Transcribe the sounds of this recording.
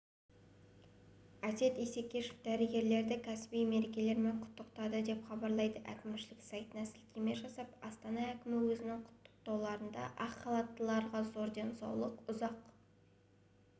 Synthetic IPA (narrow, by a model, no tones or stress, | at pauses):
æt̪e̞t̪ijse̞kʲːe̞ʃɪ̥fd̪æɾɪɡʲe̞ɾle̞ɾd̪ɪkʲʰæsɪ̥bijme̞ɾe̞kʲe̞le̞ɾme̞ɴqʰʊ̥t̪ːəqt̪ɑd̪əd̪e̞pχɑbɑɾlˠɑjd̪əʔæ̰kʲɪmʃɪlɪksɑjt̪ənɑsɪlkʲʰeme̞ʒɑsɑpɑst̪ɑnɑækʲɪmɪwɵzɪnɪŋqʰʊ̥t̪ːə̥q̚t̪ɑwlˠɑɾənd̪ɑ̰ʔɑqχɑlˠɑt̪ːəlˠɑɾʁɑzo̞ɾd̪e̞nsɑ̰wlˠəqʊzɑq